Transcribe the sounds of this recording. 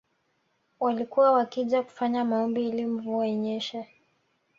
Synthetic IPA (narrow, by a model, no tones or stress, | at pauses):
walikuwawakiʄaku̥faɲamaɔmbiilim̩vuɛɲɛʃɛ